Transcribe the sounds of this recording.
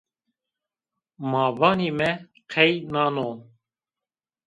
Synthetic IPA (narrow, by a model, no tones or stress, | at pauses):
mɑːvɑːniːmɛ | qʰɛjnɑːnoː